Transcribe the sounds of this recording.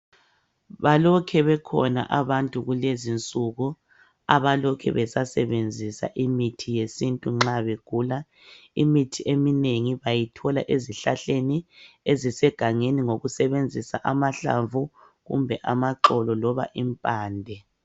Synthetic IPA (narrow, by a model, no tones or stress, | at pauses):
βalɔkʰɛβɛkʰɔ̰na̰ʔaβantʼuɣulezint͡sʼuɣu | a̰βalɔkʰɛ̰βɛsasɛβend͡zʱisa̰ʔimitʰijesintʼuŋ͡ǁaβeɡ̥ʱuːla | imitʰiʔemineŋiβajitʰɔla̰ʔeziɬaɬeniezisɛɡ̥ʱaŋeniŋoɣusɛβend͡zʱisa̰ʔamaɬa̰ɱvu | ɣṵmbʱɛʔamaǃɔlɔlɔβa̰ʔimpʼaːndʱɛ